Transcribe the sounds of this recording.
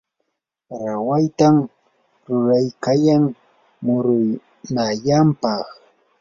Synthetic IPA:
ɾawajt̪am | ɾʊɾajkajaŋ | mʊɾʊj | najampɑχ

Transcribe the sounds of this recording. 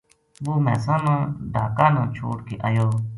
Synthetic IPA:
buːmɛ̰ːsãːnãːɖʱaːkãːnãːt͡ʃʰo̰ːɽkeːʔaːjoː

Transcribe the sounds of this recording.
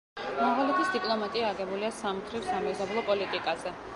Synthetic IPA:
maʁalɛt̪ʰisd̪ipʼlˠɔmat̪ʼiaːɡɛbuliasamt̪ʰɾifsamɛzablˠɔpʼɔlit̪ʼikʼazɛ

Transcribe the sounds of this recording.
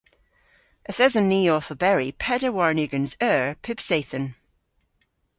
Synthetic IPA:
ʔəθɛzənːiːɔˑθəbɛɹipʰɛdəwaɹnʉɡə̃nzɜːɹpʰɪb̥seːθə̃n

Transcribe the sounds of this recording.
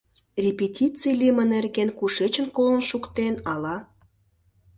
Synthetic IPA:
rʲepʲetʲit͡silʲimənerɣenkuʃet͡ɕə̆nkolə̆nʃukt̪enɑlɑ

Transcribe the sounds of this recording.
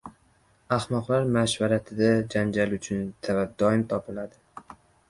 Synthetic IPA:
ahmɒqlaɾmaʃvaɾat̪ʰɪd̪ad͡ʒand͡ʒalʊt͡ʃʰʊnt̪ʰavad̪ɒɪmt̪ʰɒpʰɪlad̪ɪ

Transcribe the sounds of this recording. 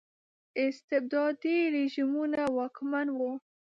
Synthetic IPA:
ɪst̪ɪb̚d̪ɑd̪iɾiʒimunawɑkmanwo

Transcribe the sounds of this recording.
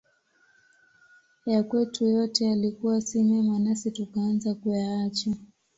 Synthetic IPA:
jakwɛtʰujɔtɛalikuwasimɛmanasitukaːnzakujaat͡ʃa

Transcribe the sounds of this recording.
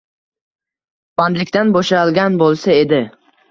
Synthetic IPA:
band̪lɪkʲt̪anboʃalˠɡʲanbolˠsae̞d̪ɪ

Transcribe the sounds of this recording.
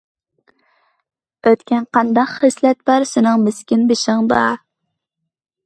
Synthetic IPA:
øt̪kʲɛnqɑnd̪ɑqχəslɛt̪̚bɑɾsɪnɨŋmɪskʲɪnbɪʃɪŋd̪ɑ

